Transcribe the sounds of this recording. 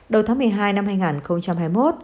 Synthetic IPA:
ɗə˧˩wt̪aː˨˦mɨ˨˩əjɦaː˧jna˧mhaː˧jŋaː˨˩nxə˧wŋ͡mt͡ɕa˧mɦaː˧jmo˦˥t̚

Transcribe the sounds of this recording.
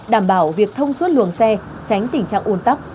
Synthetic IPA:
ɗaː˧˩mɓaː˧˩wvi˨˩ək̚t̪ʰə˧wŋ͡mswə˦˥t̚lwɨ˨˩əŋsɛ˧ | t͡ɕa˨˦jŋ̟t̪ï˨˩ŋ̟t͡ɕa̰ː˧˨ŋʔu˧nt̪a˦˥p̚

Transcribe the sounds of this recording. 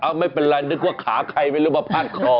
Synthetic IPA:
ʔa˧wma˥˩jpe˧nɾa˧nɯ˦˥k̚waː˥˩kʰaː˩˦kʰa˧jma˥˩jɾuː˦˥baː˧˦pʰaː˥˩t̪̚kʰɔː˧

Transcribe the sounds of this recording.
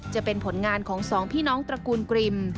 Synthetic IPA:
t͡ɕa˨˩pe˧npʰo˩˦nŋaː˧nkʰɔː˩˦ŋsɔː˩˦ŋpʰiː˥˩nɔː˦˥ŋt̪ɾa˧kuː˧nkɾi˧m

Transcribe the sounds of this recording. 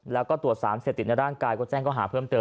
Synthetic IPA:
lɛː˦˥wkɔː˥˩t̪u˨˩ət̪̚sa̰ː˩˦mseː˨˩p̪̚i˨˩t̪̚na˧jdaː˥˩nkaː˧jkɔː˥˩t͡ɕɛː˥˩ŋkɔː˥˩ɦaː˩˦pʰɤː˥˩mt̪ɤː˧

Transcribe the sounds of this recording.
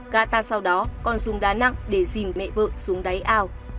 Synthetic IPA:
ɣaː˧˩t̪aː˧˩sa˧wɗɔ˨˦kɔ˧nsu˨˦ŋ͡mɗaː˨˦na̰˧˨ŋɗe˧˩zi˨˩mːɛ̰˧˨və̰ː˧˨nsu˨˦əŋɗa˨˦jʔaː˧˩w

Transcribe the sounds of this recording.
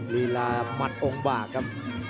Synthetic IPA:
li˧laː˧ma˧˩t̪̚ʔo˧ŋbaː˨˩kʰːa˦˥p̚

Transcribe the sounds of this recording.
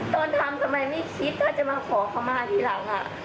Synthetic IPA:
t̪oː˧nt̪ʰa˧mt̪ʰa˧ma˧jma˥˩jkʰi˦˥t̪̚kɔː˥˩t͡ɕa˨˩maː˧kʰɔː˩˦kʰa˧maː˧˩t̪ʰiː˨˦˥la˩˦ŋʔa̰˨˩

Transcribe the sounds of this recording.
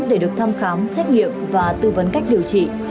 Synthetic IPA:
ɗe˧˩ɗɨ˨˩ək̚t̪ʰa˧mxaː˨˦msɛ˦˥t̚ŋḭ˧˨əmvaː˨˩t̪ɨ˧və˨˦nka˦˥jk̚ɗi˨˩əwt͡ɕḭ˧˨

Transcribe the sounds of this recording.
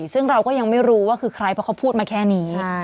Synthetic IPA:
sɯ˥˩ŋɾa˧wkɔː˥˩ja˧ŋma˥˩jɾuː˦˥waː˥˩kʰɯː˧kʰɾa˧jpʰɔ˦˥ka˦˥wpʰuː˥˩t̪̚maː˧kʰɛː˥˩niː˦˥

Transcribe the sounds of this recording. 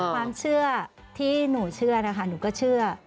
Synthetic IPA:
kwaː˧mt͡ɕʰɯ˥˩ɐ | t̪ʰiː˥˩nuː˨˩t͡ɕʰɯ˥˩ɐna˧kʰa˧˩nuː˩ka˧˥˩t͡ɕʰɯ˥˩ɐ

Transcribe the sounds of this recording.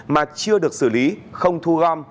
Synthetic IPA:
maː˨˩t͡ɕɨ˧əɗɨ˨˩ək̚sɨ̰˧˩li˨˦xə˧wŋ͡mt̪ʰu˧ɣɔ˧m

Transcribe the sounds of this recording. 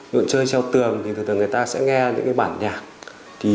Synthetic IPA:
lɨ̰˧˨nt͡ɕəː˧jsʰɛ˧wt̪ɨ˨˩əŋt̪i˨˩ɨ˨˩t̪ə˨˩ŋɨ˨˩əjt̪aː˧sɛ̰˧˥ŋɛ˧ɲɨ̰˧˥kaː˧˦jɓaː˧˩nɲaː˨˩k̚ | t̪ʰi˨˩

